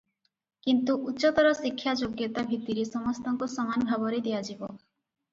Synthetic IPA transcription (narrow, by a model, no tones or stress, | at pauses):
kint̪uʔutːʃɔt̪ɔɾɔsikʰːjad͡ʒoɡjet̪abʱit̪iɾesɔmɔst̪ɔŋkusɔmanɔbʱabɔɾed̪ejad͡ʒibɔ